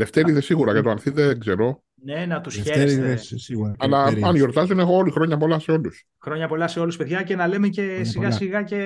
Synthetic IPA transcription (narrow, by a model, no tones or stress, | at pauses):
le̞ft̪eɾiðesiɣuɾɐʝɐt̪oɐnθiðeɡze̞ɾo̞ | nenɐt̪usçesesiɣuɐɐlɐɐnʝo̞ɾt̪ɐzonexoolixɾo̞ɲɐpo̞lɐseo̞lus | xɾo̞ɲɐpo̞lɐseo̞luspeðʝɐce̞nɐle̞mecesiɣɐsiɣɐce̞